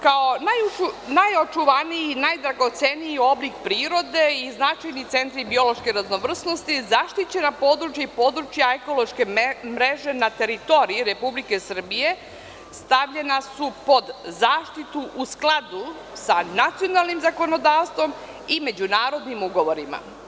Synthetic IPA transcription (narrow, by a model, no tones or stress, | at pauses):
kaonajuunajot͡ʃuʋaniinajd̪ɾaɡo̞t̪senijio̞blikpɾiːɾo̞d̪e̞iznat͡ʃajnit̪se̞nt̪ɾibio̞lo̞ʃkeɾazno̞ʋr̩sno̞st̪izaʃt̪it͡ɕe̞napo̞ːd̪ɾut͡ʃjaipo̞ːd̪ɾut͡ʃjaeko̞lˠo̞ʃke̞mɾe̞ʒe̞nat̪e̞ɾit̪o̞ɾiiɾe̞publike̞sr̩bije̞ | st̪aʋʎe̞nasupo̞d̪zaːʃt̪it̪uʔusklˠad̪u | sanat̪sijo̞nalˠnimzako̞no̞d̪aːʋst̪ʋo̞m | ime̞d͡ʑunaːɾo̞d̪nimuɡo̞ʋo̞ɾima̰